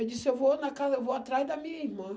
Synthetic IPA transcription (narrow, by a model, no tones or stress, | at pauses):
ɐd͡ʒisɪewvonɐkazɐewvoat̪ɾazd̪ɐmĩɲɐihmɐ̃